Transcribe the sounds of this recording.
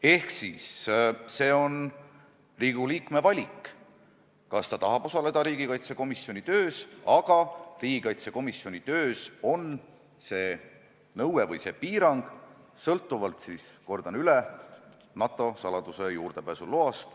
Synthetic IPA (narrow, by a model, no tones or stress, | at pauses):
e̞hksisse̞ːo̞n | riːɡ̥uliːkme̞vɑlʲikː | kɑst̪ɑt̪ɑɦɑb̥o̞sɑle̞d̪ɑɾiːɡikɑjt̪se̞ko̞misjo̞nʲit̪øːsɑɡ̥ɑriːɡ̥ikɑjt̪seko̞misːjo̞nʲit̪ø̞ːso̞n | se̞ː | nɤwwevɤ̰jse̞piːɾɑŋɡ̥ | sɤlt̪ˑːuvɑlt̪sisko̞rd̪̥ɑnylɛ | nɑt̪ːˑo̞sɑlɑd̪̥use̞juːrd̪̥e̞pæːsuloɑst̪